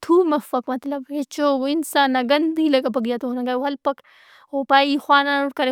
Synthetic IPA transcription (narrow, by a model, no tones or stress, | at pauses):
t̪ʰuːmɐfɐkmɐt̪lɐbet͡ʃoːinsaːnːɐɡɐnd̪ilɐkap̬ɐɡijat̪onɐŋɡaːwɐlpɐk | opaːixwaːnanuʈkɐɾe